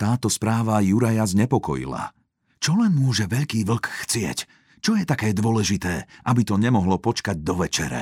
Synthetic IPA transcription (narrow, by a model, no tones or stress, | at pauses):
t̪aːt̪ɔspɾaːʋajuɾajazɲɛpɔkɔ̰jḭla̰ | t͡ʃɔlɛnmʊɔʒɛʋɛʎkiːʋl̩kxt͡sɪɛ̰c | t͡ʃɔjɛt̪akɛːd̪ʊɔlɛʒit̪ɛːʔabit̪ɔɲɛmɔɦlɔpɔt͡ʃkaɟ̚d̪ɔʋɛt͡ʃɛɾɛ̰